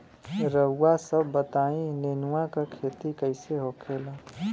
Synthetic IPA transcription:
ɾəuːasəbːət̪aːĩlenuwakakʰeːt̪ikəɪseɦokʰela

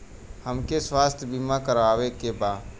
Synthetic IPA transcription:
həmkeswaːst̪ʰbimakəɾaːʋekebaː

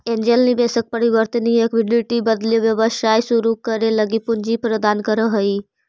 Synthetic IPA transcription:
end͡ʒelnibesək̚pəɾiʋəɾt̪əniekʋɪɖiʈibəd̪liʋjəʋəʃaːjsuɾukəɾeləɡipʊɲd͡ʒipɾəd̪aːnkəɾəɦəi

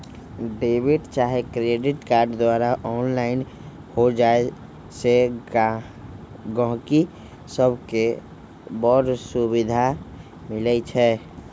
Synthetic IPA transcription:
ɖeːbɪʈt͡ʃaːɦekɾeːɖɪʈkaːɾɖd̪waːɾaʔɔːnlaɪn | hod͡ʒae | se | ɡə̃ɦki | səbʱke | bɔːɾsubɪd̪ʱa | mɪlɛt͡ʃʰɛː

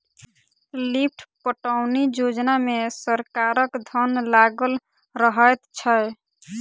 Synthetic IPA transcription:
lip̚ʰʈʰpəʈaʊnid͡ʒod͡ʒnamesəɾkaɾəkd̪ʱənlaɡəl | ɾəɦəjt̪t͡ʃʰə

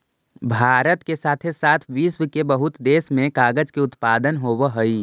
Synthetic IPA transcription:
bʱaːɾət̪kesaːt̪ʰesaːt̪ʰʋiːsʋəkebəɦʊt̪d̪eːsmẽkaːɡəd͡ʒkeʊt̪paːd̪ənɦoːwɦoi

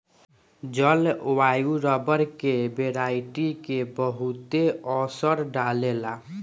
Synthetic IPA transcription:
d͡ʒəlwajuɾəbəɾkebeɾaiʈikebəɦut̪eɔsəɾɖalela

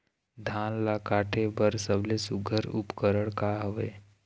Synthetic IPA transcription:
d̪ʱaːnlakaːʈʰebəɾsəblesʊɡʱəɾʊpkəɾəɽ̃kaɦoʋeː

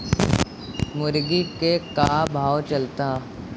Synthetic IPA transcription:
mʊɾɡikekabʱaːwt͡ʃɐlt̪aː

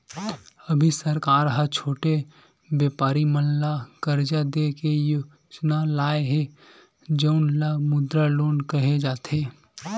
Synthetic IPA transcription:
əbʱisəɾkaːɾɦət͡ʃʰoːʈe | bjeːpaːɾimənlakəɾd͡ʒad̪ekejo | d͡ʒnalaːeɦe | d͡ʒəʊnlamʊd̪ɾaloːnkəɦed͡ʒaːt̪ʰeː

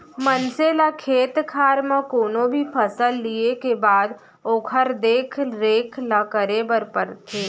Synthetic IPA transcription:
mənselakʰeːt̪kʰaːɾmãkoːnobʱipʰəsəlːiekebaːd̪ | oːkʰəɾd̪eːkʰɾeːkʰlakəɾebəɾpəɾt̪ʰeː

